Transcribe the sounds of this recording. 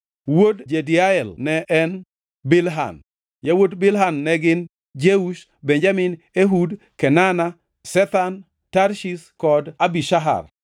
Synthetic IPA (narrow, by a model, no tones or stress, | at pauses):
wodd͡ʒediaɛlnɛʔɛn | bɪlɦa̰n | jawodbɪlɦanːɛɡɪn | d͡ʒeuʃ | beɲd͡ʒamɪn | eɦud | kɛnana | sɛt̪an | tarʃiskɔdabiʃaɦa̰r